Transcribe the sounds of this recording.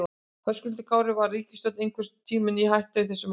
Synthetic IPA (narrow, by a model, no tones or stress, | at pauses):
hœskʏlt̪̬ɪkʰaːwɾɪvaɾiːcɪst̪œwt̪nejŋkʰvɪɾ̥t̪ʰiːmɪniɦajht̪aiθɛsːʏm